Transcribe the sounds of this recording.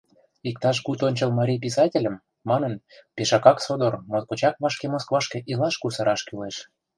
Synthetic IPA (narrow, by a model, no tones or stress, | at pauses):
ik̚t̪ɑʃ̬kut̪onʲt͡ɕɤ̆lmɑɾʲijp̬is̬ɑtʲelʲə̆mː | ɑnə̆npeʃɑkɑksod̪ormozkot͡ɕɑk̚βɑʃkemoskβɑʃkĕʔilɑʃkusɑɾɑʃkyleʃ